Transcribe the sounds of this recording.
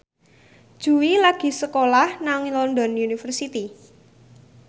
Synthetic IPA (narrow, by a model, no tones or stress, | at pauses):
d̥ʒ̥ṳwilaɡ̥i̤səkolahnaŋilɔnd̪ɔnunifərsit̪i